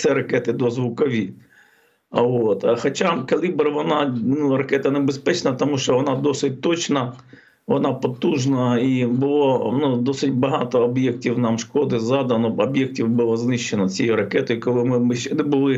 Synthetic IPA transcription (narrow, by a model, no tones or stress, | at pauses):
t̪sɛɾɐkɛt̪ɪd̪ɔzʋʊkɔʋʲi | ɐot̪ɐxɔt͡ʃakɐlʲibrʋɔnɑnuɾɐkɛt̪ɐnebespɛt͡ʃnɐt̪ɔmuʃt͡ʃɔʋɔnɑd̪ɔsɪt̚ʲt̪ɔt͡ʃnɐ | ʋɔnɑpɔt̪uʒnɐibʊlˠɔnud̪ɔsɪtʲbɐɦɑt̪ɔːbjɛk̚tʲiwnɑmʃkɔd̪ɪzɑd̪ɐnɔɔbjɛk̚tʲiwbʊlˠɔznɪʃt͡ʃːenɔt͡sʲijɛɾɐkɛt̪ɔjikɔlˠɪmɪmɪʃt͡ʃɛnɛbʊlˠɪ